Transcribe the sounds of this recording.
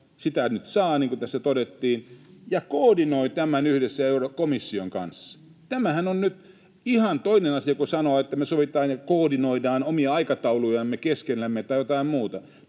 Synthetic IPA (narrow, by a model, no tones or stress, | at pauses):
sit̪ænyt̪sɑːniːŋkut̪æsːæt̪odet̪ːiːnjɑkoːdinoit̪æmænyhdesːæeurokomisːioŋkɑ̰nsːɑ̥ | t̪æmæhænonnyt̪ | ihɑnt̪oinenɑsiɑkusɑnoːet̪ːæmesoʋit̪ˑɑːnjɑkoːdinoidɑːnomiɑɑikɑt̪ɑulujɑmːekeskelːæmːet̪ɑijot̪ɑimmuːt̪ɑ